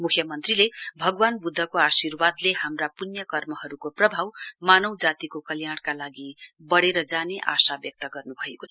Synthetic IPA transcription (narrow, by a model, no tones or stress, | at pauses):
mukʰjʌmʌnt̪rilebʱʌɡwanbud̪ʱːʌkoasirwad̪lehamrapunjʌkʌrmʌɦʌɾukoprʌbʱawmanʌwd͡zat̪ikokʌljaɽ̃kalaɡibʌɽeɾʌd͡zaneʔa̰sabjʌk̚t̪ʌɡʌrnubʱʌekot͡sʰ